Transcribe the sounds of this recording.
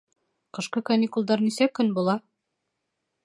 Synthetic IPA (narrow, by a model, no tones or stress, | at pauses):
qɤ̆ʃqɤkɐnʲikulˠd̪ɑɾnisækɵnbulˠɑ